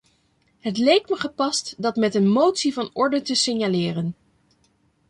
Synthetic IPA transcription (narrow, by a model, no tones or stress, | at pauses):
ɦətlejk̚məχəpɑstdɑtmɛtənmowtsivɑnɔɹdətəsɪnjalɪːrən